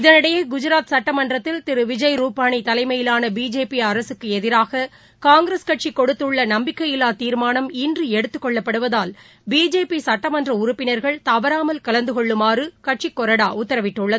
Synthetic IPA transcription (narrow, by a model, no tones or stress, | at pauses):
ɪðɐnɪɽɐjeɡʊd͡ʒʊɾaːt̪sɐʈːɐmɐndrɐt̪ːɪlt̪ɪɾɯʋɪd͡ʒɐjɾuːpaːɳit̪ɐlɐɪmɐjɪlaːnɐbiːd͡ʒeːpiɐɾɐsɯkːɯɛðɪɾaːɣɐ | kaːŋɡɪɾɐskɐʈ̚t͡ʃikːɔɽɯt̪ːɯɭːɐnɐmbɪkːɐjɪlaːt̪iːɾmaːnɐmindrɯɛɽɯt̪ːɯkːɔɭːɐpːɐɽɯʋɐðaːl | biːd͡ʒeːpisɐʈːɐmɐndrɐʊɾʊpːɪnɐɾɣɐɭt̪ɐʋɐɾaːmɐlkɐlɐnd̪ɯɣɔɭːɯmaːrɯkɐʈ̚t͡ʃikːɔɾɐɽaːʔʊt̪ːɐɾɐʋɪʈːɯɭːɐðɯ